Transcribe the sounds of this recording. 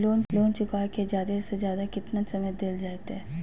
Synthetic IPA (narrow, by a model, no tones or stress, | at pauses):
loːnloːnt͡ʃʊkaked͡ʒjaːd̪esezjaːd̪akɪt̪nasɐməjd̪eːld͡ʒaːt̪ɦɛː